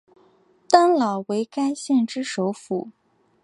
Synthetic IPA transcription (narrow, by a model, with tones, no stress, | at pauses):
t̪a˥nlɑ˨˩ʊwe˧˥ɪka˥ɪɕjɛ˥˩nʈ͡ʂɻ̩˥ʂo˧˥ʊfu˨˩˦